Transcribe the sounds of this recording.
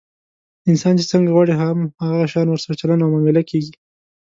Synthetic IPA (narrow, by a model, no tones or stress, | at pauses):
ɪnsɑnt͡ʃet͡səŋɡaɣwɑɽeɦamhaɣaɣaʃɑnwəɾsaɾat͡ʃalanawmɑmɪlakeɡi